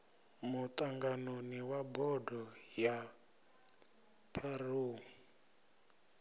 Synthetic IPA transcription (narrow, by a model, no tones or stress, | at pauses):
mut̪ʼaŋɡanoniwabɔdʱɔja | pʰaruːŋ